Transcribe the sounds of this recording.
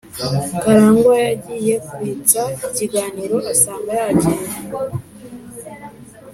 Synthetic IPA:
kaɾaːŋɡajaɟiːje̞kuβit͡saiciɡaːniɾo̞asaːmbajaɟiː

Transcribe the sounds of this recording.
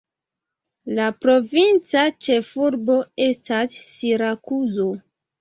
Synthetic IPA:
lapɾo̞vint͡sat͡ʃe̞fuɾbo̞e̞stasːiɾakuzo̞

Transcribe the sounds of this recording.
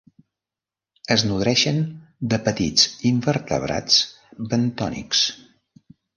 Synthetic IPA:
əznuðɾɛʃənd̪əpət̪it͡siɱbəɾt̪ə̰βɾa̰t͡s | bənt̪ɔnḭks

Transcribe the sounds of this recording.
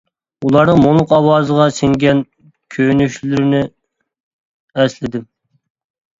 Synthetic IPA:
ulˠɑɾnɨŋmolˠʊqɑwɑːzəʁɑsɪŋɡʲɛn | kʲʰønyʃllyɾɪnɪ | ɛslɪd̪ɪm

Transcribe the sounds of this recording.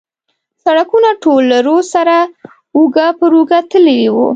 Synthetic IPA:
saɽakunaʈolaɾosaɾa | uɡapəɾuɡat̪əlewṵ

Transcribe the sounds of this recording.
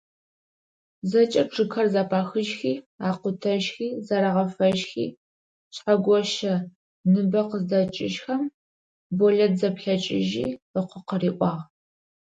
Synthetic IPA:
zɐt͡ʃʼɐʈ͡ʂʰɨkʰɐrzaːpʰaːxɨʒxiː | aːqʷʊtʰɐʒxiːzaɾɐʁɐfɐʒxḭː | ɕħaɡʷɔʃɐ | nɨbɐqəzdɐt͡ʃʼɪ̰ʃxɐm | boɮɐtʰzɐpɬɐt͡ʃʼɪʒḭːbɐqʷʊqəriːʔʷʼɑːʁ

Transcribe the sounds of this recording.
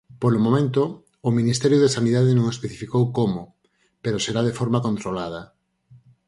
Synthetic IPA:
polomomẽnt̪ʊː | minist̪ɛɾjʊðesaniðaðenõŋespeθifikowkomo | peɾoseɾað̞efoɾmakont̪ɾolað̞ɐ

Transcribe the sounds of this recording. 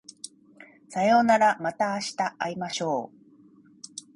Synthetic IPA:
sajo̞ːnaɾamat̪aːɕi̥t̪aʔaimaɕo̞ː

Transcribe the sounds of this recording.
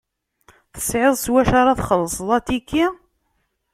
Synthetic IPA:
θə̥sʕɪðˤswæʃaɾˤɑθχəlːəsˤlˤɑt̪ikːi

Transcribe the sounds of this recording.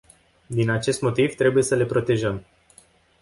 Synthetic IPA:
d̪inat͡ʃe̞st̪mo̞t̪ivt̪ɾe̞buje̞səle̞pɾo̞t̪e̞ʒəm

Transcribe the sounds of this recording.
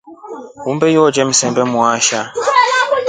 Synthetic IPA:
umbɛjɔd͡ʒɛm̩sɛmbɛmuaʃa

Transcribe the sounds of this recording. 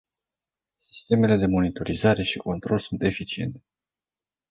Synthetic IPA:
si̥st̪e̞me̞le̞d̪e̞mo̞nit̪o̞ɾizaɾe̞ʃikont̪ɾo̞lsunt̪e̞fit͡ʃie̞̰nt̪e

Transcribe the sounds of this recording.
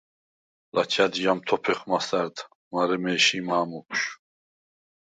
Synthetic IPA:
lat͡ʃʰad̪jamt̪ʰɔpʰɛχmasaɾd̪ | maɾɛmɛːʃimaːmupʰʃ

